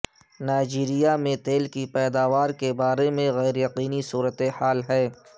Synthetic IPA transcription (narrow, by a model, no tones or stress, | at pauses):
naːɪd͡ʒiːɾijamẽt̪eːlkipɛːd̪aːʋaːɾkebaːɾemẽɣɛːɾjɐqiːnisuːɾət̪ehaːlɦɛː